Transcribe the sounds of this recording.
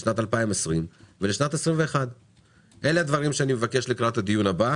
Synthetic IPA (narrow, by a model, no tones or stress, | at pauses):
ʃnat̪alpaimesʁimveleʃnat̪esʁimve̞ːχad̪ | ʔe̞lead̪vaʁimʃeanime̞vake̞ʃleklaat̪had̪ijunaba